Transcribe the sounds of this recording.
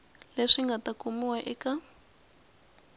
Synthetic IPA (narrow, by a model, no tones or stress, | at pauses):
leʂiŋɡatakumiwaʔɛka